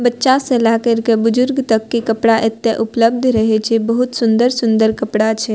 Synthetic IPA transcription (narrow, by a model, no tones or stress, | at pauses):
bətːʃaselakəɾkebʊd͡ʒʊɾɡt̪əkːikəpɽaʔet̪ːeʔʊpləb̚d̪ʱɾəɦɛt͡ʃʰɛbəɦut̪sʊnd̪əɾsʊnd̪əɾkəpɽat͡ʃʰɛ